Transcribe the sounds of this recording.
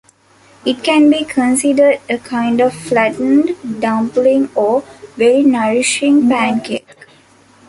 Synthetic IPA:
ɪʈ̚kæ̃nbiːkʰə̃nsiɖəɾɖəkʰãɪ̃ɳɖɔʋflæʈnɖɖãmplĩŋɔːʋeɾinəɾɪʃĩŋpæ̃nkek

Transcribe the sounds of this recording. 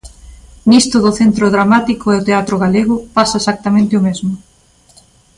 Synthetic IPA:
nist̪ʊðʊθent̪ɾoðɾamat̪ikoeot̪eat̪ɾoɣ̞aleɣʊpasɐesak̚t̪amẽnt̪ɪomezmʊ

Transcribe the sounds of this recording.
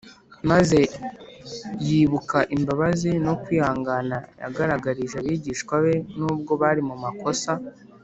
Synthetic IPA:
maze̞ | jiβukaʔimbaβazino̞kwiːhaːŋɡanaja̰ɡaɾaɡaɾiʒaβiːɟiːʃkwaβe̞nuːb̚ɡo̞βaɾimumako̞sa

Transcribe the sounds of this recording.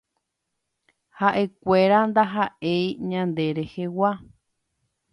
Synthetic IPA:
haʔe̞kʷe̞ɾand̪aɦaʔejɲãnd̪e̞ɾe̞hewa

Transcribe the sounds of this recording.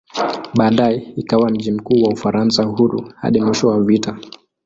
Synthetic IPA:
ɓaːɗaɛikawam̩ʄim̩kuːwaufaɾansahuɾuha̰ɗimwiʃɔwavita

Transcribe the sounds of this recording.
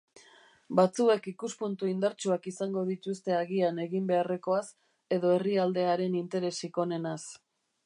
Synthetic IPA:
bat͡sue̞kikuspunt̪uind̪aɾt͡ʃuakisaŋɡo̞ð̞it̪ust̪e̞aɣiane̞ɣimbe̞are̞ko̞as | e̞ðo̞e̞riald̪e̞aɾe̞nint̪e̞ɾe̞siko̞ne̞nas

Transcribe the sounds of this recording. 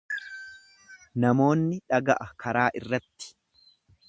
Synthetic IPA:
nɐmo̞ːnːɪᶑɐɡɐʔɐkɐɾaːʔɪrːɐt̪ːɪ̥

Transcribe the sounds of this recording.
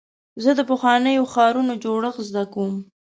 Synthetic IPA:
zəd̪əpəxwɑnəjoxɑɾunod͡ʒoɽəxzd̪akawum

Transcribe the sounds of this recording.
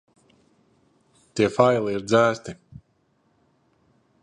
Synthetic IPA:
t̪iɛfajlˠiiɾd̪zæːst̪i

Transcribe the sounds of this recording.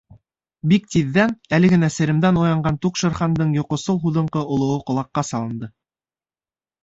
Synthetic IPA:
bik̚t̪iðːænælɘ̆ɡɘ̆næsɘ̆ɾɘ̆md̪ænujɑɴɢɑnt̪uqʃɤ̆ɾχɑnd̪ɤɴjŏqŏsɤlˠɦuðɤ̆ɴqɤŏlˠɤ̆wɤqŏlˠɑqːɑsɑlˠɤ̆nd̪ɤ

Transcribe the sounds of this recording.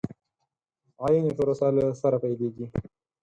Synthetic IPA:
ajinipʊɾosalasaɾapajleɡi

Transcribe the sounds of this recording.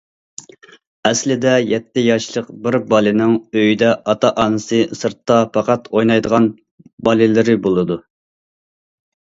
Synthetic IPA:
ɛslɪd̪ɛjɛt̪ːɪjɑʃlˠəqbɪɾbɑlˠɪnɪŋøjid̪ɛʔɑt̪ʰɑʔɑːnɨsɨsɨɾt̪ːɑpʰɑqɑt̪ʰojnɑjd̪əʁɑn | bɑlˠɪlɪɾɪbolˠɨd̪u

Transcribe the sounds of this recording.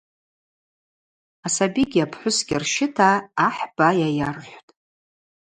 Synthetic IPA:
asabiɡʲapʰħʷʊsɡʲɪrʃɪtʰaːħb̥ajajarħʷtʼ

